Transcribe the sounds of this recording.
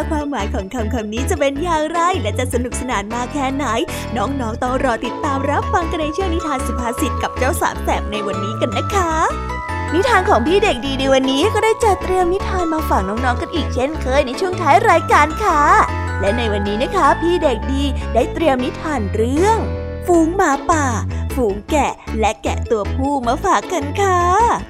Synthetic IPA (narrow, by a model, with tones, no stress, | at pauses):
ɛ˦˥kʰwaː˧mːaː˩˦jkʰɔː˩˦ŋkʰa˩˦mkʰa˧mniː˦˥t͡ɕa˨˩pe˧njaː˧ŋɾa˧˩jlɛ˦˥t͡ɕa˨˩sa˧nu˨˩p̚sa˧naː˩˦nmaː˧kʰɛː˦˥˩na˩˦j | nɔː˦˥ŋnɔː˦˥ŋt̪ɔ˧˩ŋɾɔː˧t̪i˨˩t̪ːaː˧mɾa˦˥p̚fa˧ŋka˧nːa˧jt͡ɕʰu˥əŋni˦˥t̪ʰaː˧nsu˨˦pʰaː˧˥si˨˩t̪̚ka˨˩p̚t͡ɕaː˥˩wsa̰ː˩˦msɛ˨˩p̚na˧jwa˧nːiː˦˥ka˧nːa˦˥kʰa˦˥ | ni˦˥t̪ʰaː˧nkʰɔː˩˦ŋpʰiː˥˩de˨˩k̚diː˧na˧jwa˧nːiː˦˥kɔː˥˩daː˥˩jt͡ɕa˨˩t̪ɾi˧əmni˦˥t̪ʰaː˧nmaː˧faː˨˩k̚nɔː˦˥ŋnɔː˦˥ŋka˧nʔiː˨˩k̚t͡ɕʰe˥˩nkʰɤː˧˩jna˧jt͡ɕʰu˥˩əŋt̪ʰaː˦˥jɾaː˧jkaː˧nkʰa˥˩ | lɛ˦˥na˧jwa˧nːiː˦˥na˦˥kʰa˦˥pʰiː˥˩de˨˩k̚diː˧daː˥˩jt̪ɾi˧əmni˦˥t̪ʰːaː˧nɾɯ˥˩əŋ | fuː˨˦ŋmaː˨˩˦paː˨˩fuː˨˩˦ŋkɛ˨˩lɛ˦˥kɛ̰˨˩t̪u˧ɐpʰuː˥˩maː˧faː˨˩kːa˧nkʰa˧˥˩